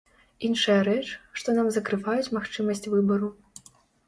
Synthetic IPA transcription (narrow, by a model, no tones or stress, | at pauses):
inʂɐjɐɾɛt͡ʂʂt̪ɔnamzɐkɾɨvajut͡sʲmaxt͡ʂɨmɐsʲt͡sʲvɨbɐɾu